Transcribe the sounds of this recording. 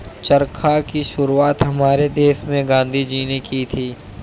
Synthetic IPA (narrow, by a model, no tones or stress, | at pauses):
t͡ʃɐɾkʰakiʃʊɾuaːt̪ɦɐmaːɾed̪eːʃmẽɡãːnd̪ʱid͡ʒiːnekit̪ʰiː